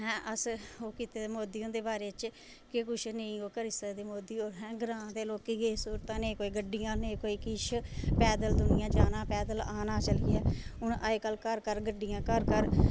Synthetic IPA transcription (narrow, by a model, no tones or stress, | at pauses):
ɦɛ̃ːʔəsoːkiːt̪eːd̪emoːd̪iːõːnd̪eːbaːɾeːt͡ʃ | kɪkʊʃʰnəĩːoːkəɾɪsəd̪eːmoːd̪iːoːɾɦɛ̃ːɡɾãːd̪eːloːkiːɡesuːɾt̪ãːnẽːkoːiːɡəɖːijãːneːkoːiːkɪʃpɛːd̪əld̪ʊnɪjãːd͡ʒaːnãːpɛːd̪əlaːnãːt͡ʃəliːɛːʊnəeːkəlkəɾkəɾɡəɖijãːkəɾkəɾ